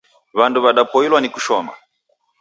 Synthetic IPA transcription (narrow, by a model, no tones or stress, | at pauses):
βanduβaɗapɔilwaniku̥ʃɔma